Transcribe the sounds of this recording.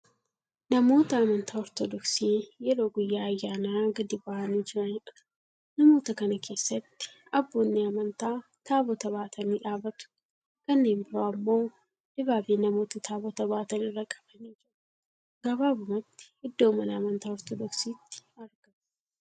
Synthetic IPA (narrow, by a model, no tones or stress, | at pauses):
nɐmo̞ːt̪ɐɐmɐnt̪aːɔɾt̪ɔd̪ɔksiːjɛɾo̞ːɡʊjːaːɐjːaːnaːɡɐd̪ɪbɐʔɐniːd͡ʒɪɾɐnɪᶑɐ̥ | nɐmo̞ːt̪ɐkɐnɐkʰe̞ːsːɐt̪ːɪ̥ | ɐbːo̞ːnːeɐmɐnt̪aː | t̪aːbɔt̪ɐβaːt̪ʰɐniːᶑaːbɐt̪ʊ̥ | kɐnːe̞ːmbɪɾoːɐmːo̞ː | dɪbaːbiːnɐmo̞ːt̪ɐt̪ʰaːbɔt̪ɐbaːt̪ɐnɪrːɐkʼɐ̥bɐniːd͡ʒɪɾɐ | ɡɐbaːbʊmɐt̪ːɪ̥hɪd̪ːo̞ːmɐnɐːmɐnt̪aːɔɾt̪ɔd̪ɔksiːt̪ːɪ̥ɐɾɡ̥ɐm